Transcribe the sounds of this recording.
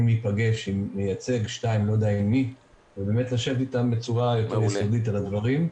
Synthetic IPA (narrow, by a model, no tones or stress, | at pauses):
mipaɡeʃimːejat͡se̞ɡʃtaimlo̞d̪ainːi | vebe̞ːmetlaʃevt̪itambe̞t͡suʁajo̞teʁjesodit̬alad̪vaʁim